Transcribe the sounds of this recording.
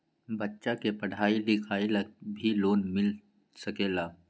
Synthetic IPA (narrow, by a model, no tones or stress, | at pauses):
bətːʃakepɐɽ̤aːid̪ɪkʰaːilakbʱiloːnmɪl | sɐkeːlaː